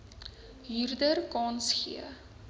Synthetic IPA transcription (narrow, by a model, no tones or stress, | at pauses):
ɦirdərkɑːnsχḭə̰